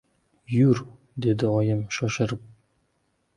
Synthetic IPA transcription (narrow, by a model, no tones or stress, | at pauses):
jʉɾ | d̪ed̪ɘʁɒjɤmʃɒʃɤ̆ɾɤp̚